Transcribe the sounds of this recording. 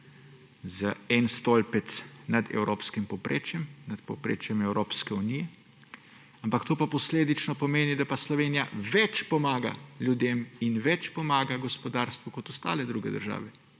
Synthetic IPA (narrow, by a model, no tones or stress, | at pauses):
zəɛnst̪olpɛt̪nad̪ɛ̰wɾoːpskimpɔpɾʔḛːt͡ʃjɛmnat̪popɾḛːt͡ʃjɛmɛwɾoːpskɛunijɛ | ampakt̪oːpapɔsleːd̪it͡ʃnɔpɔmeːnid̪apaslɔʋeːnija̰ʋɛt͡ʃpɔmaːɡa̰ljud̪eminʋɛt͡ʃpɔmaːɡaɡɔspɔd̪aːɾst̪ʋukɔt̪ɔst̪a̰ːlɛd̪ɾuɡɛd̪ə̰ɾʒa̰ːʋɛ